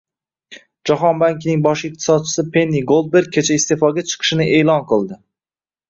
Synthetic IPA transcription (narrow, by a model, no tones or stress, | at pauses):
d͡ʒɒɦɒnbaŋkʲnɪŋbɒʃɪq̚t̪ʰɪ̥sɒd̪̚t͡ʃʰɪ̥sɪpʰe̞nːiɡolˠd̪̚beɾ̚kʲʰet͡ʃʰaist̪e̞fɒɡʲat͡ʃʰɨ̥qʰɨ̥ʃɪnɪʔe̞ːlˠɒnqʰɨlˠd̪ɪ